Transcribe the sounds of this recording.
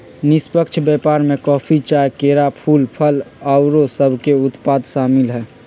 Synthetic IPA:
nispəkt͡ʃʰbɛpaɾmekɔːpʰit͡ʃajkeɾapʰuːlpʰəlaʊɾosəbʱkeʊt̪paːd̪ʃaːmɪlɦɛː

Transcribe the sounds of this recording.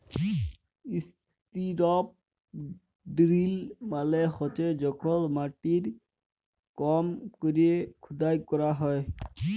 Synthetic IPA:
is | t̪iɾɔp̚ | ɖɾilmalexɔt͡ʃed͡ʒɔkʰɔlmaʈiɾ | kɔmkoɾiekʰud̪ajkɔɾaɦɔj

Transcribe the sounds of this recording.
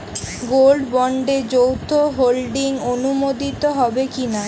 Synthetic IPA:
ɡolɖbɔɳɖed͡ʑowt̪ʰoɦolɖiŋonumod̪it̪oɦɔbekina

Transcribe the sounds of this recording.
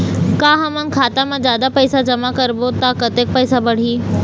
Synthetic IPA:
kãːɦɐmə̃nkʰaːt̪amãd͡ʑjaːd̪apɐɪsad͡ʑɐmakɐɾbot̪akɐt̪eːk̚pɐɪsabɐɽ̤iː

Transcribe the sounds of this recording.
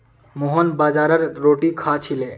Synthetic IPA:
moɦonbad͡ʒaɾəɾːoʈikʰat͡ʃʰile

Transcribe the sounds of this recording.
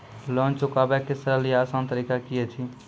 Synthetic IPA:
lɔ̃nt͡ʃʊkabɛkesəɾəlijaːsãnt̪əɾiːkakijet͡ʃʰi

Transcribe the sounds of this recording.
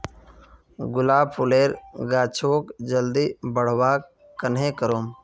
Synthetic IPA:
ɡʊlaːbpʰʊleːɾɡaːt͡ʃʰoːkd͡ʒəld̪ibəɽ̤waːk | kːənɦẽːkəɾoːm

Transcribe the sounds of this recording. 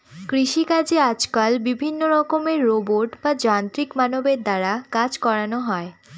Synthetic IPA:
kɾiʃikad͡ʑead͡ʑkalbibʱinːoɾɔkomeɾːoboɾʈbad͡ʑant̪ɾikmanobeɾd̪aɾakad͡ʑkɔɾanoɦɔe

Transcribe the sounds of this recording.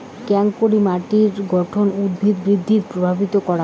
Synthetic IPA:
kɛŋkkoɾimaʈiɾɡɔʈʰonud̪bʱid̪bɾid̪ʱːiɾpɾobʱabit̪okɔɾa

